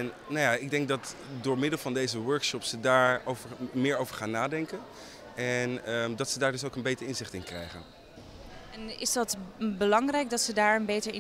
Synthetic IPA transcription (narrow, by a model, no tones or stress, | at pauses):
n | najaːɪɡ̚dɛŋk̚dɑtdʊːɹmɪdəlˠvɑndejzəʋɜɹkʃɔpsədaːɹowvəɹmɪːɹowvəɹχaːnːaːdɛŋkən | ɛnədɑtsədaːɹdɵs̬owkənbejtəɹɪnzɪχtɪnkrɛ̰jχə̰n | ɛnɪ̰zdɑtbəlɑŋrɛjɡ̚dɑtsədaːɹənbejtəɹɪ